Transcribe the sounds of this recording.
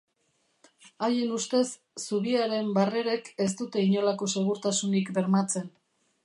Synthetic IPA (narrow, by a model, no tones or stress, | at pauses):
aje̞nust̪e̞sː | uβiaɾe̞mbare̞ɾe̞ke̞st̪ut̪e̞iɲo̞lako̞se̞ɣuɾt̪asunikbe̞ɾmat͡se̞n